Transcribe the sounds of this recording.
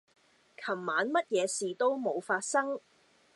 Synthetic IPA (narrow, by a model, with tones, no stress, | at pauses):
kʰɐ˨˩mːaː˨˥nmɐ˥t̚jɛː˨˧siː˨t̪o˥wmo˨˧wfaː˧t̚sɐ˥ŋ